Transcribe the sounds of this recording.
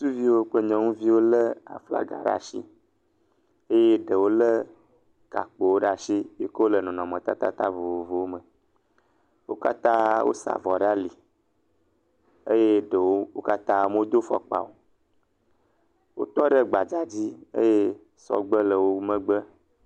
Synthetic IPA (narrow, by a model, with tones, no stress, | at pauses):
su˦vi˦wo˦k͡pə˦ɲɔ̃˨ŋũ˦vi˦wo˦lə˦a̰˨fla̰˦ɡa̰˨ɖa̰˦ʃḭ˦ | e˦je˦ɖə˨wo˦lə˦ | ɡ̥a̰˨k͡pe˨wo˦ɖa˦ʃi˦je˦kə˦o˦lə˨nɔ̃˨nɔ̃˨mə̃˨t̪a̰˦t̪a̰˦t̪a˦vo˨o˨vo˨wo˦mə˨ | wo˦ka˦t̪ã˦wʔo̰˦sa̰˨vɔ˨ɖa˦li˨ | e˦je˦ɖə˨wo˦wo˦ka˦t̪ã˦m˦o˦d̪o˦fɔ̰˨k͡pa̰˨wo˨ | wo̰˦t̪ɔ˦ɖə˦ɡ͡ba˨d͡ʒa˦d͡ʑi˦ḛ˦je˦ | sɔ̰˦ɡ͡bə˦lə˨wo˦mə̃˦ɡ͡bə˦